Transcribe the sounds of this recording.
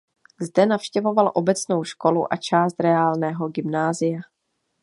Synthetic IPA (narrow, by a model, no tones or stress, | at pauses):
zdɛnafʃcɛvo̞valʔo̞bɛt͡sno̞wʃko̞luʔat͡ʃaːst̪ɾɛaːlnɛːɦo̞ɡɪmnaːzɪja